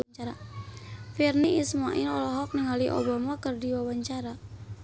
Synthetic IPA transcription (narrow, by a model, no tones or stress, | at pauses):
t͡ʃaɾa | firniismaʔilɔlɔɦɔk̚nɪŋɦaliʔo̰bamakərdiwawaɲt͡ʃaɾa